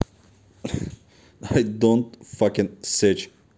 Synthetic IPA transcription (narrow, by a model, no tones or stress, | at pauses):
aɪdõntfʌkɨ̃nsɛt͡ʃ